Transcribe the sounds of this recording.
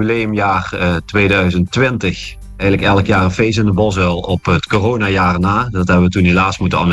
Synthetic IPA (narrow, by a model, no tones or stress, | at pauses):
blejəmjaːrtʋeːdœɥzəntʋɪntəx | ɛjɣələkɛlˠəkjaːrəfejs̬əndəbɔsəlˠɔpətkoroːnaːjaːrnaːdɑtɦɛbəʋətunɦelaːsmutənɑ̰n